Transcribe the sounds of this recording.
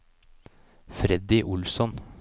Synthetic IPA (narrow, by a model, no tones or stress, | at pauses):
fɾɛd̪ɪʔʊlsɔn